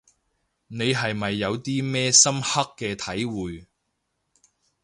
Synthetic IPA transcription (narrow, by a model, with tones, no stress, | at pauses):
ne˨˧jɦɐ˨jmɐ˨jːɐ˨˧wt̪iː˥mɛː˥sɐ˥mhɐ˥kːɛː˧t̪ʰɐ˨˥jwuː˨j